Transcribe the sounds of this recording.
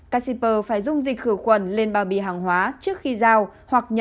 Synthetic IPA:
kaː˧si˧pəː˧˩faː˧˩jzʊ˧ŋ͡mzi˨˩k̟̚xɨ˧˩xwə˧˩nle˧nɓaː˨˩wɓḭ˧˨ɦaː˨˩ŋɦwaː˨˦t͡ɕɨ˦˥ək̚xi˧zaː˧whwa˨˩k̚ɲə˧˩

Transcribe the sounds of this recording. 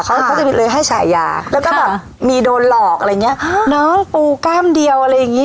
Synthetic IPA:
kʰa˦˥kʰwt͡ɕa˨˩pʰi˦˥lɤː˧jɦa˥˩jt͡ɕʰa̰ː˩˦jːa̰ː˨˩lɛː˦˥wkɔː˥˩bɛː˨˩p | miː˧doː˧nlɔː˨˩k̚ʔa˧ɾːŋːi˦˥ɐnɔː˦˥ŋpuː˧kaː˥˩mdi˧əwʔa˧ɾa˧jːa˨˩ŋːiː˦˥

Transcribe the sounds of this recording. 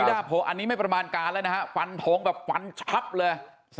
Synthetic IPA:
daː˩˥˩pʰo˨˦ŋʔa˧nːiː˦˥ma˥˩jpɾa˧maː˧nkaː˧nlɛ˦˥˧na˦˥kʰa˦˥fa˧nt̪ʰoː˨˦ŋbɛː˨˩p̚fa˧nt͡ɕʰa˦˥p̚lɤː˧j | s

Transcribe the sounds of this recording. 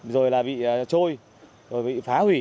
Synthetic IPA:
zo˨˩jlaː˨˩ɓḭ˧˨˩t͡ɕo˧j | zo˨˩jɓḭ˧˨faː˨˦hwi˧˩

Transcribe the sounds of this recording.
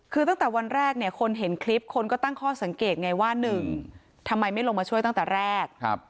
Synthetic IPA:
kʰɯː˧t̪a˥˩ŋt̪ɛː˨˩wa˧nɾɛː˥˩k̚ni˥˩ɐkʰo˧nɦe˩˦nkʰli˦˥p̚kʰo˧nkɔː˥˩t̪a˥˩ŋkʰɔː˥˩sa˩˦ŋkeː˨˩t̪̚ŋa˧jwaː˥˩nɯ˨˩ŋ | t̪ʰa˧mːa˧jma˥˩jlo˧ŋma˧t͡ɕʰu˥˩əjt̪a˥˩ŋt̪ɛː˨˩ɾɛː˥˩k̚p̚

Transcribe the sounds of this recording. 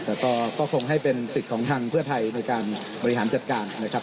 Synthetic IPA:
t̪ɛː˨˩kɔː˥˩kɔː˥˩kʰo˧ŋɦa˥˩jpe˧nsi˨˩t̪̚kʰɔː˩˦ŋt̪ʰaː˧ŋpʰɯ˥˩ɐt̪ʰa˧jna˧jkaː˧n | bɔː˧ɾi˧ɦaː˩˦nt͡ɕa˨˩t̪̚kaː˧nːa˦˥kʰɾa˦˥p̚

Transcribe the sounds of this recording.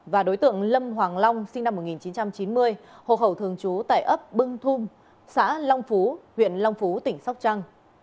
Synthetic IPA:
vaː˨˩ɗo˨˦jt̪ɨ̰˧˨əŋlə˧mɦwaː˨˩ŋla˧wŋ͡msi˧ŋna˧mːo˨˩t̚ŋi˨˩nt͡ɕi˨˦nt͡ɕa˧mt͡ɕi˨˦nmɨ˧əjho̰˧˨xə˧˩wt̪ʰɨ˨˩əŋt͡ɕu˨˦t̪a̰ː˧˨jʔə˦˥p̚ɓɨ˧ŋt̪ʰu˧m | sa̰ː˧˥la˧wŋ͡mfu˨˦hwḭ˧˨ənla˧wŋ͡mfu˨˦t̪ï˧˩ŋ̟sa˦˥wk͡p̚t͡ɕaː˧ŋ

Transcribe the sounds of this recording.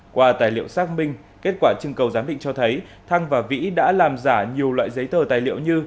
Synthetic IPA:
kwaː˧t̪aː˨˩jlḭ˧˨əwsaː˦˥k̚mï˧ŋ̟ | ke˦˥t̚kwaː˧˩t͡ɕɨ˧ŋkə˨˩wzaː˨˦mɗḭ̈˧˨ŋt͡ɕɔ˧t̪ʰə˨˦jt̪ʰa˧ŋvaː˨˩vḭ˧˥ɗa̰ː˧˥laː˨˩mzaː˧˩ɲi˨˩əwlwa̰ː˧˨jzə˨˦jt̪əː˨˩t̪aː˨˩jlḭ˧˨ə˨wɲɨ˧

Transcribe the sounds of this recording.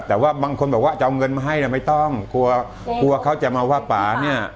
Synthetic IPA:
t̪ɛː˨˩waː˥˩baː˧ŋkʰo˧nbɔː˨˩k̚wa˥˩t͡ɕa˨ʔwŋɤ˧nmaː˧ɦa˥˩jlaː˧˩ma˥˩jt̪ɔ˥˩ŋkʰu˧ɐ | kʰu˧ɐkʰa˦˥wt͡ɕa˨˩maː˧waː˧˩paː˨˩ni˥˩ɐ

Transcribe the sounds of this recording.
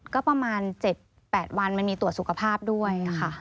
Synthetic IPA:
kɔː˥˩pɾa˧maː˧nt͡ɕe˨˩t̪̚ | pɛː˨˩t̪̚wa˧nma˧nmiː˧t̪u˨˩ət̪su˨˩kʰa˧pʰaː˥˩p̚du˥˩əja˨˩xʰa˥˩

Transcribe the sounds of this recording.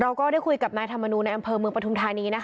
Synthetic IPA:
ɾa˧wkɔː˥˩ɾaː˥˩jku˧jka˨˩p̚naː˧jt̪ʰa˧mːa˧nuː˧nːa˧jʔa˧mpʰɤː˧mɯ˧əŋpɾa˧t̪u˧mt̪ʰaː˧niː˧na˦˥kʰ

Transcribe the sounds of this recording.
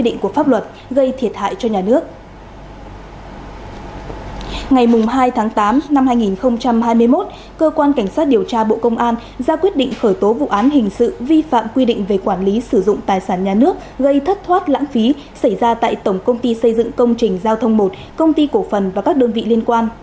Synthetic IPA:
i˧ɗḭ˧˨ŋ̟ku˧˩əfaː˦˥p̚lwə˨˩t̚ | ɣə˧jt̪ʰi˨˩ət̚ha̰ː˧˨jt͡ɕɔ˧ɲaː˨˩nɨ˦˥ək̚ | ŋa˨˩jmʊ˨˩ŋ͡mɦaː˧jt̪ʰaː˨˦ŋt̪aː˨˦mna˧mhaː˧jŋi˨˩nxə˧wŋ͡mt͡ɕa˧mɦaː˧jmɨ˧əjmo˦˥t̚ | kəː˧kwaː˧nka˧˩jŋ̟swaː˦˥t̚ɗi˨˩əwt͡ɕaː˧ɓo̰˧˨kə˧wŋ͡mʔaː˧n | zaː˧kwi˦˥ət̚ɗḭ˧˨ŋ̟xəː˧˩jt̪o˨˦vṵ˧˨ʔaː˨˦nɦï˨˩ŋ̟sɨ̰˧˨vi˧fa̰ː˧˨mkwi˧ɗḭ˧˨ŋ̟ve˨˩kwaː˧˩nli˨˦sɨ˧˩zʊ̰˧˨ŋ͡mt̪aː˨˩jsaː˧˩nɲaː˨˩nɨ˦˥ək̚ɣə˧jt̪ʰə˦˥t̚t̪ʰwaː˦˥t̚la̰ː˧˥ŋfi˨˦ | sa˧˩jzaː˧t̪a̰ː˧˨jt̪ə˧˩wŋ͡mkə˧wŋ͡mt̪i˧sə˧jzɨ̰˧˨ŋkə˧wŋ͡mt͡ɕï˨˩ŋ̟zaː˧wt̪ʰə˧wŋ͡mmo˨˩t̚ | kə˧wŋ͡mt̪i˧ko˧˩fə˨˩nva˨˩kaː˦˥k̚ɗəː˧nvḭ˧˨li˧ənkwaː˧n

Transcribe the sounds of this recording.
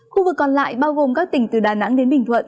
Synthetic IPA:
xu˧vɨ˨˩kːɔ˨˩nla̰ː˧˨jɓaː˧wɣo˨˩mkaː˦˥k̚t̪ï˧˩ŋ̟t̪ɨ˨˩ɗaː˨˩na̰˧˥ŋɗe˨˦nɓï˨˩ŋ̟t̪ʰwə̰˧˨n

